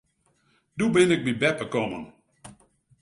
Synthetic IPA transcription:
dubɪnɪk̚bibɛpəkɔmə̰n

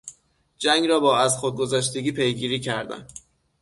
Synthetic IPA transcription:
d͡ʒæŋɡɾɒːbɒːæzxod̪̚ɡo̞zæːʃt̪e̞ɡʲiːpʰe̞jɡiːɾiːcʰæɾd̪æ̰n

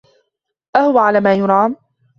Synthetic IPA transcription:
ʔahʊwaʕalaːmaːjʊɾˤɑːm

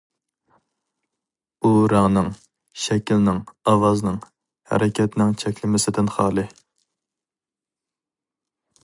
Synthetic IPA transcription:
uɾɑŋnɨŋ | ʃɛkʲilnɪŋɑwɑznɨŋ | hæ̰ɾɪkʲʰɛt̪nɪŋt͡ʃʰɛkʲlɪmɪsɪd̪ɪnχɑːlˠɨ

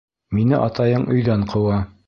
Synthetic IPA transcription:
minɘʔɑt̪ɑjɤɴʔɵ̆jðæɴqʰɤ̆wɑ

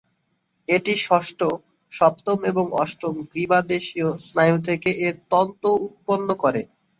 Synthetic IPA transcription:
eʈiʃɔʃʈo | ʃɔp̚t̪omeboŋɔʃʈɾomɡɾibad̪eʃiosnajut̪ʰekeʔeɾt̪ɔnt̪out̪̚ponːokɔɾe

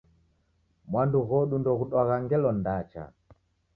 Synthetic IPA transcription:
mwanduɣɔɗundɔɣuɗwaɣaŋɡɛlɔndat͡ʃa̰

